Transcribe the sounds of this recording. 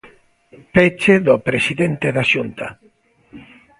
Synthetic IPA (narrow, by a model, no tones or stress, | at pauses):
pet͡ʃeðopɾesiðent̪eðaʃunt̪a